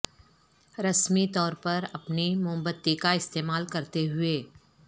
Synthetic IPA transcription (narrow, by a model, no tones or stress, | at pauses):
ɾɐsmit̪ɔːɾpɐɾɐpnimʊ̃mbət̪ːikaɪst̪eːmaːlkɐɾt̪eɦʊeː